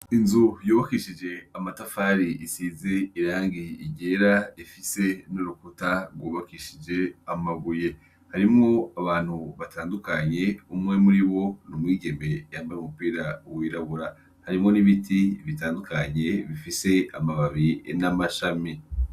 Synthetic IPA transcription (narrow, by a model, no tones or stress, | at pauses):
inzujoːβakiʃid͡ʒe̞amatafaːɾiʔisiːzeiɾaːŋɡiːɟeɾaifise̞noɾukutaɾɡwoːβakiʃid͡ʒe̞amaɡuje | haɾimŋo̞aβaːn̥huβatʰaːndukaɲe̞umŋe̞muɾiβo̞numwiːɟe̞me̞jaːmbaɾeumupiːɾawiːɾaβuɾa | haɾimŋo̞niβitʰiβitaːndukaɲe̞βifise̞amaβaβinamaʃami